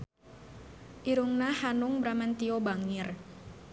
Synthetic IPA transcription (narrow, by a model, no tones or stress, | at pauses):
ʔiɾuŋnahanuŋbɾamant̪iobaŋɪr